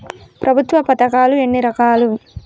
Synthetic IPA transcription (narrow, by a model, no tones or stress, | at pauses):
pɾʔɐbʱut̪ʋɐpɐt̪ɐkaːlue̞ɳːiɾɐkaːlu